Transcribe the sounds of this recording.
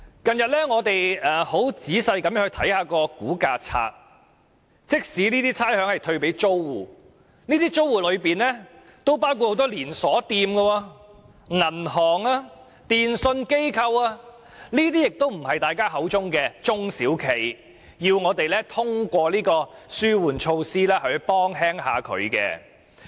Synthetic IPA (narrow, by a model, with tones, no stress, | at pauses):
kɐ˨njɐ˨t̚lɛː˥ŋɔː˨˧t̪e˨jɛː˨ho˨˥wt͡siː˨˥sɐ˧jkɐ˨˥mjœː˥ŋhɵ˧t̪ʰɐ˨˥jhaː˨˧kɔː˧kuː˨˥kaː˧t͡sʰa̰ː˧k̚ | t͡sɪ˥k̚siː˨˥niː˥t̪iː˥t͡sʰaː˥jhœː˨˥ŋhɐ˨jt̪ʰɵ˧ɥpe˨˥jt͡so˥wwuː˨˩ | niː˥t̪iː˥t͡so˥wːuː˨lɵ˨˧ɥpiː˨nlɛː˥ | t̪o˥wpaː˥wkʰu˧t̚ho˨˥wt̪ɔː˥liː˨˩nsɔː˨˥t̪iː˧mɡɐ˧wɔː˧ | ŋɐ˨˩nɦɔː˨˩ŋaː˧ | t̪iː˨nsɵ˧nke˥jkʰɐ˧waː˧ | niː˥t̪iː˥jɪ˨k̚t̪o˥wm̩˨˩hɐ˨jt̪aː˨jkaː˥ɦɐ˨˥wt͡sʊ˥ŋkɛː˧t͡sʊ˥ŋsiː˨˥wkʰe˨˩j | jiː˧wŋɔː˨˧t̪e˨jlɛː˥t̪ʰʊ˥ŋkʷɔː˧liː˥kɔː˧syː˥wuː˨˩nt͡ʃʰo˧wsiː˥lɛː˥hɵ˨˧ɥpɔː˥ŋɦɛː˥ŋhaː˨˧kʰɵ̰˨˧ɥkɛ̰ː˧